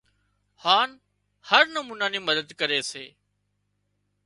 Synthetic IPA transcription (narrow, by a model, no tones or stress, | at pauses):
haːn | həɾnəmuːnaːniːməd̪əd̪kəɾeːseː